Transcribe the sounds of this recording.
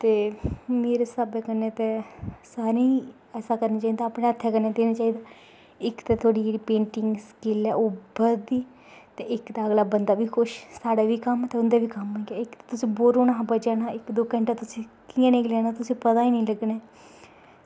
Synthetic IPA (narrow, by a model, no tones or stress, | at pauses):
t̪eːmeːɾeːsaːbɛːkəɾneːt̪eːsaːɾei | ɛːsaːkəɾneːt͡ʃaːiːd̪aːpɽẽːət̪ʰːɛːkəɾnẽːd̪eːneːt͡ʃaːiːd̪aː | ɪkt̪eːt̪ʰoaːɽiːd͡ʒeːɽiːpẽːɳʈɪŋɡskɪlɛːʔoːbəɾd̪iː | t̪eːɪkd̪aːəɡlaːbənd̪aːʋiːkʰʊʃsaːɽaːʋiːkəmt̪eːʊnd̪eːʋiːkəmːɡɛːɪkt̪et̪ʊsĩːboːɾoːnaːɦbəd͡ʒaːnaːɪkd̪oːkəɳʈaːt̪ʊsĩːkiːãːnẽːklɛːñaːt̪ʊsĩːpət̪aːiːnəĩːləɡneː